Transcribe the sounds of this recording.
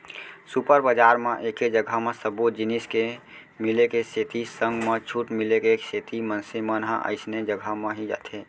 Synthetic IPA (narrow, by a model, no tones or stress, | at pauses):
supəɾbəd͡ʒaːɾmẽʔeked͡ʒəɡʱəmẽsəbut̪d͡ʒiniske | milekeset̪isə̃ŋɡmet͡ʃʰuʈmilekeekset̪imənsimənɦə̃ʔə̰ɪsned͡ʒəɡʱəmẽɦid͡ʒa̰t̪ʰe